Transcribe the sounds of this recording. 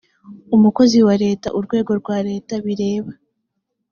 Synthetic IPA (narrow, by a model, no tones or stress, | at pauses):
umuko̞ziwaɾe̞ːta̰ʔuɾɡwe̞ːɡo̞ɾɡwaːɾe̞ːtaβiɾe̞ːβa